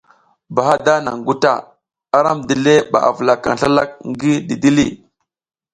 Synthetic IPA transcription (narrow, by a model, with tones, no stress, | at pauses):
ba˨ɦa˦da˦na̰˨ŋɡu˦ta̰˨ | a˦ɾa˦mdi˨le˦ba̰˨ʔa̰˨vu˨la˨ka̰˨n˨ɬa˦la˦k̚ŋɡi˦di˨di˦lḭ˦˨